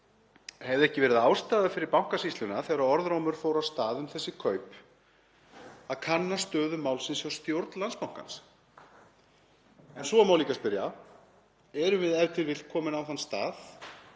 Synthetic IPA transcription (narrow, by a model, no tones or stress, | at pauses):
hɛvðɛhcɪvɛːɾɪðaːwst̪aːðafɪɾɪɾpawŋ̥kasist̪ʏnaθɛːɾaðɔɾðɾoːwmʏɾ̥foːwɾawst̪aːðʏmθɛsːɪkʰœːɥp | aðkʰanːast̪œːðʏmaːwlsɪnsjawst̪jowɾt̪lanspawŋ̥ka̰ns | ɛnsɔamaːwliːkaspɪɾja | ɛɾʏmvɪðɛɾt̪ʰɪɾvɪlkʰɔːmɪnawθanst̪aːð